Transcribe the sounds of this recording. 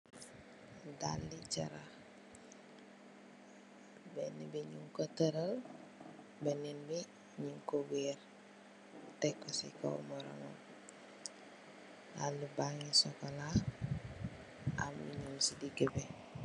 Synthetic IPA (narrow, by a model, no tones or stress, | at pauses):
da̰ldit͡ʃa̰ɾa | benibiɲuŋkotəɾəl | beninbi | ɲuŋkoweɾ | tɛkːɔsḭko̰wmɔɾɔ̰ŋɔ̰m | da̰ldibaŋisɔkɔla | a̰mwḭɲumsidiɡəbe